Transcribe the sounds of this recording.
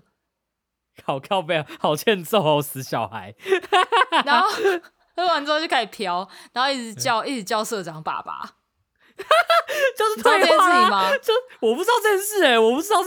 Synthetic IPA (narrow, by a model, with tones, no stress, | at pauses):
kʰɑ˨˩ʊkʰɑ˥˧ʊpe˨˩hɑ˨˩ʊt͡ɕʰjɛ˥˧˦nt͡so˥˩˨sɹ̩˨˥ɕjɑ˨˩ʊha˨˦ɪ | na˨˦˥ | e˥˩wa˨˦nt͡sɔ˥˧t͡ɕo˥˧kʰa˥˩pʰjɑ˦ʊna˨˦ho˧i˥˩t͡s̩˨˦t͡ɕjɑ˥˧ʊi˥˩t͡s̩˨˦t͡ɕjɑ˥˧ʊsɤ˥˨ʈ͡ʂɑ˨˦ŋpa̰˨˩pa̰˨˦ | t͡ɕjo˥˧ʊʂ̩˥t̪wɛ˧na˥˨˥i˨˩ma˦t͡ɕo˥˧ʊ˩wɔ˨˩p̬u˥˩t͡sɻ̩˥t̪ɑ˥˧ʊt͡sə˥˧nsɻ̩˥˩e˨˩wɔ˨˩pu˥˩t͡sɻ̩˥d̪ɑ˥˧ʊ